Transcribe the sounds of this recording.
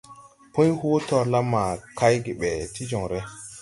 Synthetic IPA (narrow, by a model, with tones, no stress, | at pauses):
po˦jho˦tɔ˨ɾla˦ma˨ka˦jɡe˨ɓɛ˨ti˦d͡ʒɔ˨ŋɾe˦